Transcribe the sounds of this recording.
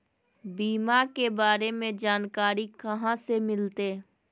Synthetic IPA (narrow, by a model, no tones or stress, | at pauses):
biːmakebaːɾemẽd͡ʒaːnkaːɾikɐɦãsemɪlt̪eː